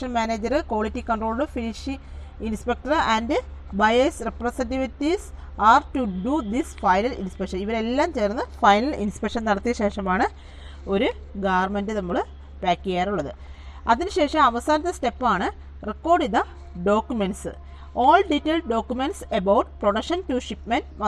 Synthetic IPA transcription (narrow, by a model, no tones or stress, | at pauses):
ʂɐnmaːneːd͡ʑɐrɨkoːɭitːikɐɳɖʈroːɭɖɨfiniʂi | inspek̚ʈɐrændɨ | bɐjesreprɐsenʈiʋitːis | aːrʈuɖud̪isfɐjnɐlḭnspekʂɐniʋɐɾe̞lːaːmt͡ɕeːrnːɨfɐjnɐlḭnspekʂɐnnɐɽɐt̪ːijɐɕeːʂɐmaːɳɨ | o̞ɾu | ɡaːʋɐrmendɨnɐmːuɭɨ | paːkːijaːɾuɭːɐðɨ | ɐðinɨɕe̞ːʂɐmɐʋɐsaːnɐt̪ːɐste̞pːaːɳɨ | rekːo̞ːrɖiðɐ | ɖo̞ːkjumeɳɖsɨ | oːlɖitːeːlɖo̞ːkʲjumeɳʈsebɐwʈproɽɐkʂɐntuʂipmɐnmɐ